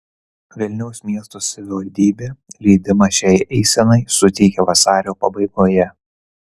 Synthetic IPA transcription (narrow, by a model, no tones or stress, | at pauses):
ʋʲɛlʲnʲɛʊsmʲiɛst̪osɐʋʲɪʋɐlʲd̪ʲiːbʲeːlʲiːd̪ʲɪmɐʃʲɛːjʔɛɪsʲɛnɐɪsʊt̪ʲɛɪkʲɛʋɐsɑːɾʲoːpɐbɐɪɡoːjɛ